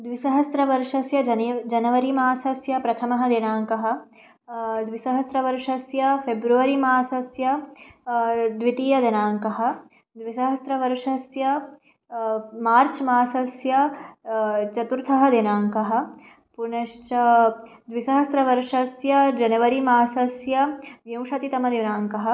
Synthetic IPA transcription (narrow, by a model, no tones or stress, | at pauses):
d̪ʋisɐɦɐst̪ɾɐʋɐɾʃɐsjɐd͡ʒɐnd͡ʒɐnɐʋɐɾimaːsɐsjɐpɾɐt̪ʰɐmɐɦɐ̆d̪enaːŋkɐɦɐ̆ | d̪ʋisɐɦɐst̪ɾɐʋɐɾʃɐsjɐfʰebɾuʋɐɾimaːsɐsjɐ | d̪ʋit̪iːjɐd̪ɐnaːŋkɐɦɐ̆ | d̪ʋisɐɦɐst̪ɾɐʋɐɾʃɐsjɐ | maːɾt͡ʃmaːsɐsjɐ | t͡ʃɐt̪uɾt̪ʰɐɦɐd̪enaːŋkɐɦɐ̆ | punɐʃt͡ʃɐd̪ʋisɐɦɐst̪ɾɐʋɐɾʂɐsjɐd͡ʒɐnɐʋɐɾimaːsɐsjɐʋjɐ̃w̃ʃɐt̪it̪ɐmɐd̪enaːŋkɐɦɐ̆